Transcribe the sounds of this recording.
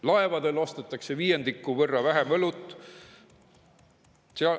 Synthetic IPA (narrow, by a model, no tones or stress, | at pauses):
lɑe̞vɑd̪̥e̞lost̪et̪ːˑɑkse̞viːjend̪ikːˑuvɤrːɑvæɦemɤlut̪ːˑ | seɑ